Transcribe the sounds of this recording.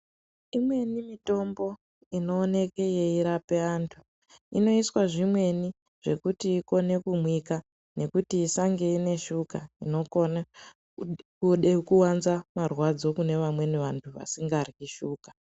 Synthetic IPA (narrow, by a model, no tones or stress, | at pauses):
imwe̞nimito̞mbo̞ | ino̞ːne̞keje̞iɾape̞aːntʰu̥ | ino̞iswaʐimwe̞ni | ʐ̥e̞kutiːko̞ne̞kumwika | ne̞kutiːsaŋɡeine̞ʃukaino̞kona | kuɗekuwanzamarwad͡zo̞kune̞ʋamwe̞niʋantʰuʋa̰siŋɡarɣiʃuːkḁ